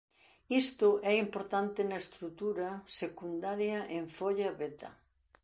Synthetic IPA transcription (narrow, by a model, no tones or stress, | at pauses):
ist̪ʊʔɛimpoɾt̪ant̪ɪnɐest̪ɾut̪uɾɐsekund̪aɾjɐʔeɱfoʎaβet̪ɐ̰